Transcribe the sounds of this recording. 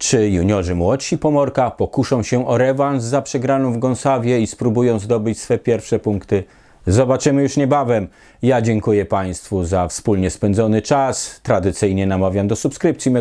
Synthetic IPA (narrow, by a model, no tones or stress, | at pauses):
t͡ʂɘjuɲɔʐɘmwɔt͡ɕɕipɔmɔɾkapɔkuʂɔ̃w̃ɕɛʔɔɾɛvanzzapʂɛɡɾanɔ̃w̃vɡɔ̃nsavʲjɛispɾubujɔ̃w̃zd̪ɔbɘt͡ɕsfɛpʲjɛɾfʂɛpuŋkt̪ɘ | zɔbat͡ʂɘmɘjuʂɲɛbavɛm | jad͡ʑɛŋkujɛpaj̃st̪fuzafspulɲɛspɛnd̪zɔnɘt͡ʂast̪ɾad̪ɘt̪sɘjɲɛnamavʲjamd̪ɔsupskɾɘp̚tsʲjimɛ